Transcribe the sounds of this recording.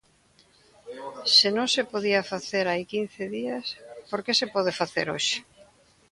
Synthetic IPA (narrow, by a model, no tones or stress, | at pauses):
senõŋsepoðiafaθeɾajkin̟θeðiaspoɾkesepɔð̞efaθḛɾo̰ʃɪ̥